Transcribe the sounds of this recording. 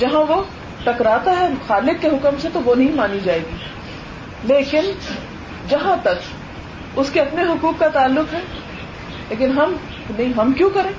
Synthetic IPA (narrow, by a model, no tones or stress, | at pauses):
d͡ʒɐɦãʋo | ʈɐkɾaːt̪aɦɛxaːlɪkːeɦʊkəmset̪oʋonɐɦĩmaːnid͡ʒaːeːɡiː | leːkɪn | d͡ʒɐɦãt̪ɐk | ʊskeɐpneɦʊkuːkːat̪aːlːʊqɦɛː | leːkɪnɦɐm | nɐɦĩɦɐmkjõkɐɾẽː